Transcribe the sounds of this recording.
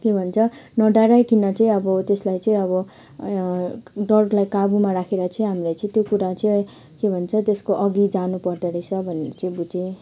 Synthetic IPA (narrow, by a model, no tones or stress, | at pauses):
kebʱʌnt͡sʰʌnʌɖaɾajkinʌt͡sʌĩʌbʌt̪eslajt͡sʌĩʌβʌ | ɖʌklajkabumaɾakʰeɾat͡sʰʌĩɦamlajt͡sʌĩt̪jokuɾat͡s | kebʱʌnt͡sʰʌt̪eskoʔʌɡid͡zanupʌrd̪eɾʌjt͡sʰʌbʱʌneɾʌt͡sʌĩbud͡ze